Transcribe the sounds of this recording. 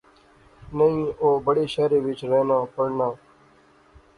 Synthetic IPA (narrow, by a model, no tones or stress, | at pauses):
nəĩːoːbəɽeːʃaːɾeːʋɪt͡ʃɾeːnãːpəɽnãː